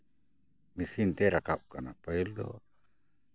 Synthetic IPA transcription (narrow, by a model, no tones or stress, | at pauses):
mifint̪eɾakaukanapailo̰